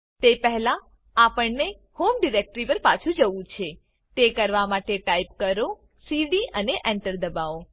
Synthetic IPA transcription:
t̪epəɦla | apəɳne | homɖiɾek̚ʈɾipəɾpat͡ʃʰũd͡ʒəʋũt͡ʃʰe | t̪ekəɾʋamaʈeʈaipkəɾo | siɖiəneʔɛ̃ɳʈəɾd̪əbao

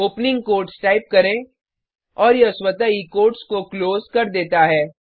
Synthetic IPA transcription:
oːpnɪ̃ŋɡ̚koːɾʈsʈaːɪp̚kɐɾẽ | ɔːɾjeʊswət̪aikoːɾʈskokloːzkɐɾd̪eːt̪aɦɛː

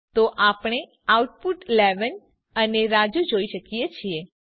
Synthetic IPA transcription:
t̪oʔapɳ̃e | auʈ̚puʈleʋən | əneɾad͡ʒud͡ʒoiʃəkijet͡ʃʰie

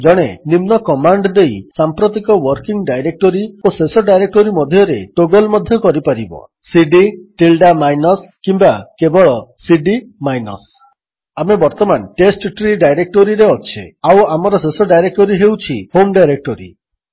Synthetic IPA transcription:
d͡ʒɔɽ̃enimnɔkɔmaɳɖd̪ejsampɾot̪ikɔwɔɾkiŋɖajɾek̚ʈoɾiosesɔɖajɾek̚ʈoɾimɔd̪ʱjɔɾeʈoɡɔlmɔd̪ʱjɔkɔɾipaɾibɔ̰ | siɖiʈilɖamajnɔskimbakebɔɭɔsiɖimajnɔ̰s | amebɔɾt̪ɔmanʈesʈʈɾiɖajɾek̚ʈoɾiɾeɔt͡ʃʰḛawamɔɾɔsesɔɖajɾek̚ʈoɾiɦewt͡ʃʰihomɖajɾek̚ʈɔɾḭ

